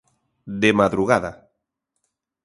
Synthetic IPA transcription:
d̪emaðɾuɣaða̰

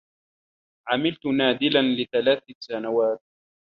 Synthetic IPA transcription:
ʕamɪlt̪ʊnaːd̪ɪlanlɪθalaːθasanawaːt̪̚

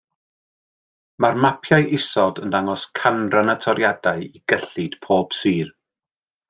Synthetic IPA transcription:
marmapʰjajʔɪsɔdəndaŋɔskʰanranatʰɔɾjadaɨiɡ̥əɬɨd̥pʰoːb̥siːr

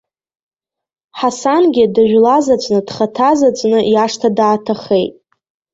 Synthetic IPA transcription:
ħasanɡʲɪdaʒᶣlazat͡sʷʼnɨd̥χatʰazat͡sʷʼnɨjaʂtʰadaːtʰaχejtʼ

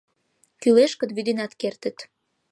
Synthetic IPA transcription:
kyleʃkə̆d̪βyd̪inɑt̪kert̪ə̆t̪

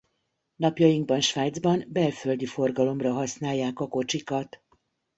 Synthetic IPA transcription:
nɒpjɒjiŋɡ̚bɒnʃʋaːjd̪zbɒnbɛlfø̞ld̪ifo̞rɡɒlo̞mrɒɦɒsnaːjːaːkɒko̞t͡ʃikɒt̪

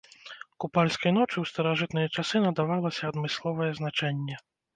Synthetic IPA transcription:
kupalʲskɐjn̪ɔt͡ʂɨwst̪ɐɾaʐɨt̪nɨjɛt͡ʂasɨnɐd̪avalˠɐsʲɐːd̪mɨslˠɔvɐjɛznat͡ʂɛnʲːɛ

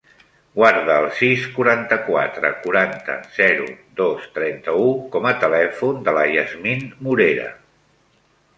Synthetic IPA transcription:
ɡwaɾðəːlˠsiskuɾant̪əkwa̰t̪ɾə̰kuɾant̪ə̰z̥ɛɾṵd̪ost̪ɾɛnt̪əukɔmət̪əlɛfund̪ələjəzminmuɾeɾə̰

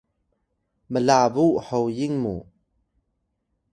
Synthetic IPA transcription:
məlaːbuʔhɔwjiŋmṵ

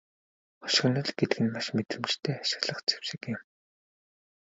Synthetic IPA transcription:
χɔ̥ʃ̆ɞ̆nɞ̆ɮɡet̪ɘ̆ɡɘ̆nmaʃmet̪rɘ̆mt͡ɕt̪ʰeːaʃɪ̆ɣɮə̆χt͡sʰe̥wʃɪ̆kɪ̆m

